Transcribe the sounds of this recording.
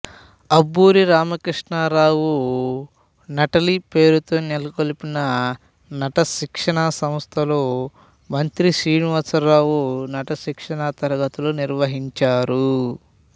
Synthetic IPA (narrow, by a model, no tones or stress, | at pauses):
ɐbːuːɾiɾaːmɐkɾiʂɳaːɾaːwu | nɐʈɐlipe̞ːɾut̪o̞ːnelɐkolupinɐ | nɐʈɐʃikʂɐɳɐsɐmst̪ʰɐloː | mɐnt̪ɾiʃɾiːɳuʋɐsɐɾaːwunɐʈɐʃikʂɐɳɐt̪ɐɾɐɡɐt̪uloːniɾʋɐɦiɲt͡ʃaːɾu